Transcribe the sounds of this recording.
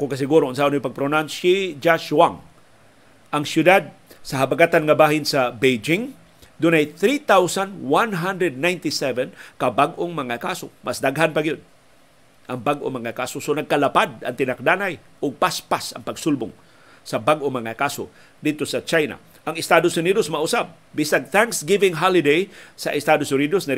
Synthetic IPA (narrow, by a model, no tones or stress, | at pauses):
kʊŋkas̬ɪɡuɾoans̬aʔnojpaɡ̚pɾonanʃid͡ʒaʃwaŋ | ʔaŋsjʊd̪ad̪̚ | saɦabaɡat̪anŋabaːɦɪnsabejd͡ʒɪŋ | d̪ʊnajθɾit̪awsanwanɦand̪ɾɛd̪̚najnt̪isɛvɛnkabaɡʔoŋmaŋakaso̰mʔasd̪aɡɦanpaɡɪjod̪̚ | ʔaŋbaɡʔo̰maŋakasosonaɡ̚kalapad̪a̰ŋt̪ɪnak̚d̪anaj | ʔʊɡ̚paspasa̰ŋpaɡsʊlbʊŋ | sabaɡʔomaŋakaso̰ | d̪ɪd̪̚t̪osat͡ʃajna̰ | ʔaŋɪst̪ad̪osʊnid̪osmaʔʊsab̚ːɪsaɡθãŋksɡɪvɪŋɦalɪd̪ejsa̰ʔɪst̪ad̪osʊnid̪osna